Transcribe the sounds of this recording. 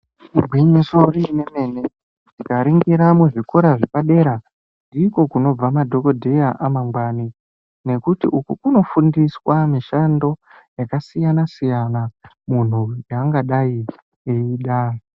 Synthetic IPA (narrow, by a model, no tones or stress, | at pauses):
uɡʱwiɲiso̞rine̞me̞ne̞ | dikaɾiŋɡiɾamuʐikoɾaʐepaɗe̞ɾa | ndiːko̞kuno̞b͡vamadʱo̞ko̞dʱe̞jaʔamaŋɡwani | ne̞kutḭʔukukuno̞fundiswamiʃando̞ | jakasijanasijana | mun̤ujaːŋɡaɗai | eiːɗa